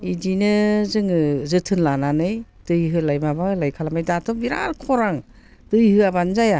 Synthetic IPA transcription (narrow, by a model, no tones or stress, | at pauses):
idinɯzɯŋɯzɯtʰɯnlananɯjd̥ɯjɦɯlajmabaɯlajkʰalamajdatʰɔbiɾa̰ɾkʰɔɾaŋ | d̥ɯjhɯabanzaja